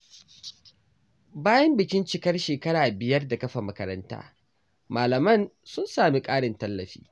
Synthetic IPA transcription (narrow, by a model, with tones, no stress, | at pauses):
baː˦jɐ˦mbɪ˨kʲɪ˦nt͡ʃɪ˦˨kɐ˦rʃeː˨kɐ˦ɽaː˨bɪ˨jɐ˦rda˨kɐ˦ɸa˨mɐ˦kɐ˦ɾɐ̰˦nta̰ː˦ | maː˨lɐ˨mɐ˦˨nsʊ˦nsaː˨mi˦kʼaː˦ɽɪ˨ntɐ˦lːɐ˨ɸḭː˦